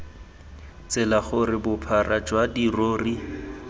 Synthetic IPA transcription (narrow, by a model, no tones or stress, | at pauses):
t͡sɪlaχʊrɪbʊpʰarad͡ʒwadiroːri